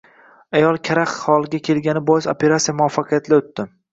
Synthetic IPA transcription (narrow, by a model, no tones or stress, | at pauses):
ajɒlˠkʲʰaɾaχhɒlˠɡʲakʲʰe̞lɡʲanɪbɒjɪsopʰe̞ɾat̪sijamʊɒfːɑqʰɨjat̪laot̪ːɪm